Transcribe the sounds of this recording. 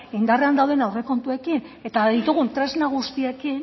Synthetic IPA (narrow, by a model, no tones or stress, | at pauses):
ind̪areand̪awð̞e̞nawre̞ko̞nt̪ue̞kine̞t̪aðit̪uɣ̞unt̪ɾe̞znaɣ̞ust̪iekin